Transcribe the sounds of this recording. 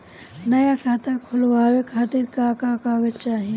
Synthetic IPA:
nɐjakʰaːt̪akʰʊlʋaːwekʰaːt̪ɪɾkakakaːɡəd͡ʒt͡ʃaːɦi

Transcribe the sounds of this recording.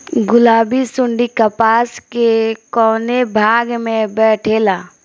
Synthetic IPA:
ɡʊlaːbisʊɳɖikəpaːskekɔːnebʱaːɡmẽbɛːʈʰeːlaː

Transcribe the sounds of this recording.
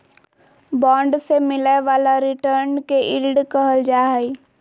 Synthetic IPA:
bɔ̃ːɳɖsemɪleʋaːlaɾɪʈəɾnkeʔɪlɖkəɦəld͡ʒaːɦɛi

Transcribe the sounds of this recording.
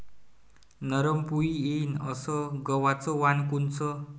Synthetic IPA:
nʌɾʌmpuienʌsʌɡʌwat͡sɔwankunt͡sʰʌ

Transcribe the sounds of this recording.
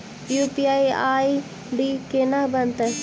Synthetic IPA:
juːpiaːiaːi | ɖiːkeːnabɐnt̪əs

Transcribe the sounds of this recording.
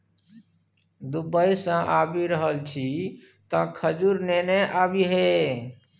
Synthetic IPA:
d̪ubəisə̃ʔaːbiɾəɦəlt͡ʃʰi | t̪ə̃kʰəd͡ʒuɾneneʔaːbiɦe

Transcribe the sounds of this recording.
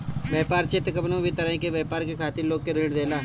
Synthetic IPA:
ʋjɛːpaːɾt͡ʃɪt̪kəbnõːbʱit̪əɾəĩkeʋɛːpaːɾkekʰaːt̪ɪɾloːɡ̚keɾɪːɽd̪eːlaː

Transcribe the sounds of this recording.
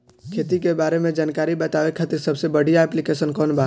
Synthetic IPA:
kʰeːt̪ikebaːɾemẽd͡ʒaːnkaːɾibɐt̪aːʋekʰɐt̪iɾsɐbsebəɽ̤ʱijaɛplikeːʃənkɔːnbaː

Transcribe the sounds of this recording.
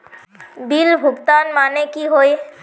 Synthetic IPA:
bilbʱuɡt̪anmanekiɦoj

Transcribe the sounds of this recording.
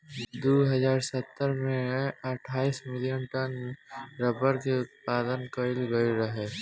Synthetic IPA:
d̪uːɦɐzaːɾsət̪ːəɾmẽɐʈʰaːismɪljənʈənɾəbəɾkeʊt̪̚paːd̪ənkəɪlɡɐiɾɐɦeː

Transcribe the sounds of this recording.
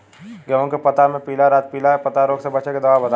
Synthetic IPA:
ɡɐʋõkepɐt̪amẽpiːlaɾaːt̪̚piːlaɦɛpɐt̪aɾoːɡsebɐt͡ʃeked̪ɐʋaːbɐd̪a

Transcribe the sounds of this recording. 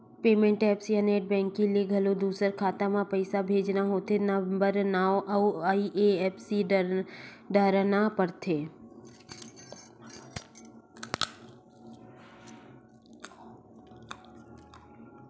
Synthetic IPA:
peːmẽɳʈɛːpsiəneːʈ̚bɛ̃ːŋkĩlieɡʱəlod̪uːsəɾkʰaːt̪amãpəɪsabʱeːd͡ʒnaɦoːt̪ʰenabəɾnaːoʔɐuaːiʔeɛːpʰsi | ɖəɾnapəɾt̪ʰeː

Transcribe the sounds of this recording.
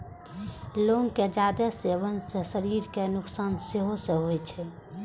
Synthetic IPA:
loːŋked͡ʒaːd̪əseʋənsesəɾiːɾkenʊksaːnseɦoseɦoɛt͡ʃʰɛ

